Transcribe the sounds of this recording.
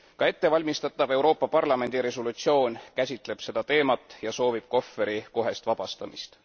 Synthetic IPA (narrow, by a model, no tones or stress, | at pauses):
kɑe̞t̪ːe̞vɑlʲmist̪ɑt̪ːˑɑbe̞wɾo̞ːpːˑɑpɑrlɑme̞nd̪̥iɾe̞solut̪sio̞ːnkæsʲit̪ˑle̞b̥se̞d̪̥ɑt̪e̞ːmɑt̪ːˑjɑso̞ːvib̥̚ko̞fːe̞ɾiko̞ɦe̞st̪vɑb̥ɑst̪ɑmist̪